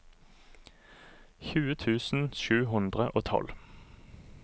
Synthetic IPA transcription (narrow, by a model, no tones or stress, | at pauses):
çʉːət̪ʰʉːsn̩ʃʉːɦʊnd̪ʁəʔoːt̪ʰɔ̰l